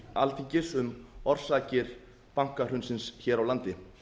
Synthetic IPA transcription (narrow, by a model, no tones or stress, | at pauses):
alt̪ʰicɪ̥sʏmɔr̥saːcɪɾ̥ | paŋ̥kar̥ʏnsɪnsçɛːɾawlant̪ɪ